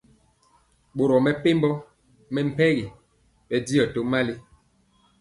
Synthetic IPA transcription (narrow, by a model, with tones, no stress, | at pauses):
ɓo˨ɾɔ˨mɛ˨pe˦mbɔ˦ | mɛ˦m̩˦pɛ˦ɣi˨ | ɓɛ˨di˦ɔ˨to˨˦ma˦li˦